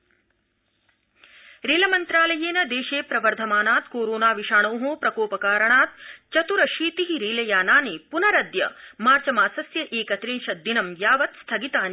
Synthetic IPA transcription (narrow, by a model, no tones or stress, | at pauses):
ɾeːlɐmɐnt̪ɾaːlɐjeːnɐd̪eːʃeːpɾɐʋɐɾd̪ʱɐmaːnaːt̪koːɾoːnaːʋiʃaːɳoːɦoːpɾɐkoːpɐkaːɾɐɳaːt̪̚t͡ʃɐt̪uɾɐʃiːt̪iɦiɾiːlɐjaːnaːnipunɐɾɐd̪jɐ̰maːɾt͡ʃɐmaːsɐsjɐʔeːkɐt̪ɾiːnʃɐd̪inɐmjaːʋɐt̪st̪ʰɐɡit̪aːni